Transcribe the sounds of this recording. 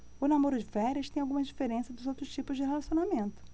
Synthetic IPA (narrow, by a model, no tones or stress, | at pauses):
ʊnamoɾʊd͡ʒɪvɛɾʲɐʃt̪ẽj̃awɡũmɐd͡ʒifeɾẽsɐd̪ʊzowt̪ɾʊʃt͡ʃipʊzd͡ʒɪɦelasiõnamẽnt̪ʊ̥